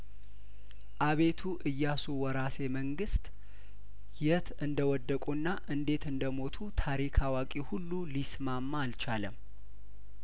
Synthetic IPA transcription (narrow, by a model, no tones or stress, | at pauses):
ʔaβe̞t̪ʰuʔɨjːasuwɔɾase̞məŋɡɨst̪ʼ | jɛt̪ʰɨnd̪əwɔd̪ːəkʼunːaʔɨnd̪e̞t̪ɨnd̪əmo̞t̪ʰut̪ʰaɾikʰawakʼihulːulismamːaːlt͡ʃaləm